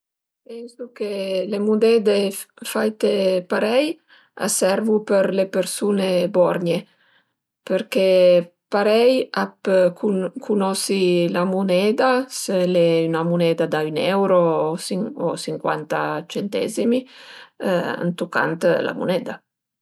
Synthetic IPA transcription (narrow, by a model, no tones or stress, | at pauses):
pɛnsukelemud̪ɛd̪efajt̪epaɾɛj | a̰sɛɾvupeɾlepeɾsunebɔɾɲe | peɾke | paɾɛjapkukʰunɔsilamunɛːd̪aseleynamunɛd̪ad̪aynɛwɾosio̰siŋkwa̰nt̪a̰t͡ʃent̪ɛ̰zimi | a̰nt̪uka̰nt̪la̰mṵnɛd̪a̰